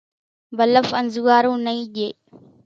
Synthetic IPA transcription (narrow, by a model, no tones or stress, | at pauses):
bələfənzʊɡaːɾũːnəĩːʄeː